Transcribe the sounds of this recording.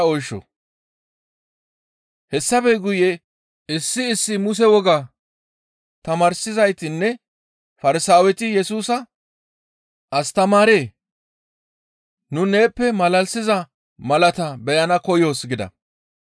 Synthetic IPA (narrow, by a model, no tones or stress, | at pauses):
ɔjʃːɔ̰ | hɛsːɐfɛɡʊjɛ | ɪsːɪɪsːɪmʊs̬ɛwɔɡa | t̪ɐmaːɾsɪzɐjt̪ɪnːɛ | fɐɾɪsaːwɛt̪ɪjɛsuːsɐ | ʔɐst̪ɐmaːɾeː | nʊne̞ːpːɛmɐlɐlsɪzɐ | mɐlɐt̪ɐbɛjɐnɐkɔjo̞ːsɡɪd̪ɐ̰